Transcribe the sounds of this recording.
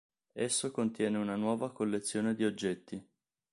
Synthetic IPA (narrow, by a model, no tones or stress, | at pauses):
esːokont̪jɛːneunanwɔːvakolːet̪sːjoːned̪iod͡ʒːɛt̪ːi